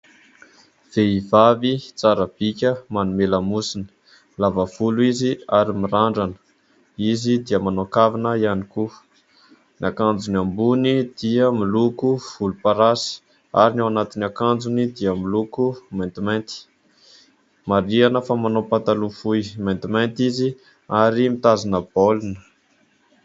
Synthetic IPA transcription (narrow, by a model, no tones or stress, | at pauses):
v̥eivavit͡saɾəb̥ikʲəmanumelamusinə̥ | lavavuluiziaɾimiɾaɳɖ͡ʐanə̥ | izid̪iəmanokavinəianiku | nakand͡zunambunid̪̥iəmilukuv̥ulupaɾasi̥ | a̰ɾinawanat̪inakand͡zunid̪iəmilukumant̪iment̪i̥ | maɾianəfamanopat̪alufujmant̪iment̪izi | aɾimit̪azinəb̥olunə̥